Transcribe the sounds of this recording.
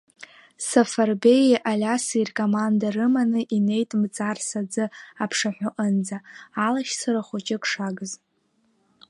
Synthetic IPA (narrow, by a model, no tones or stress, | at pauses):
safarbe̞jʔalʲasirkʼomandarɨmanɨʔine̞jtʼmt͡sʼarsad͡zɨapʰʂaħʷᶣʊʔənd͡zaːlaʃsaɾaχʷʊt͡ʃʼɪkʼʂaɡɨz